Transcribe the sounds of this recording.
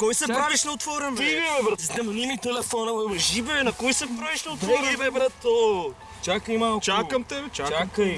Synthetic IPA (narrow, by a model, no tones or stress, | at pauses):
kɔjsɛpɾaviʃnɐʊt̪fɔɾɛiiɛbɾɐznɛmɐnimit̪ɛlɛfɔnɐʒibɛnɐkɔjsɛpɾaviʃnɐʊt̪vɔɾbɛbɾɐt̪o | t͡ʃakɐimalˠt͡ʃaɐmt̪ɛbɛt͡ʃat͡ʃakɐj